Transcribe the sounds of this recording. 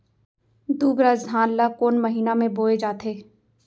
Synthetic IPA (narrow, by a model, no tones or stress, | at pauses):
d̪uːbɾazd̪ʱãːnlakoːnmɐɦiːnamẽboːed͡ʒaːt̪ʰeː